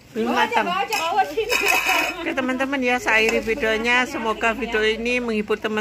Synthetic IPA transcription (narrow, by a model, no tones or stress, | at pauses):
b̥matəmawasi | kət̪əmənt̪əmənjasaaiɾifidoɲasəmoɡafideoiniməŋibʊt̪əmə